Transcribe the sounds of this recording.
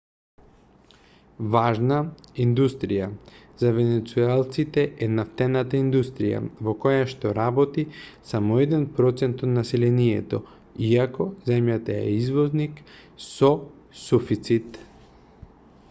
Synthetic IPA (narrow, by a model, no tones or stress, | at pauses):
vaʒnaind̪ust̪ɾija | zavɛnɛt̪suɛlˠt̪sit̪ɛʔɛnaft̪ɛnat̪aind̪ust̪ɾija̰vokɔjaʃt̪ɔɾabɔt̪isamɔɛd̪ɛnpɾɔt̪sɛnt̪ɔt̪nasɛlɛniɛt̪ɔ | iakɔzɛmjat̪aɛ̰izvɔzniksɔ | sufit̪sit̪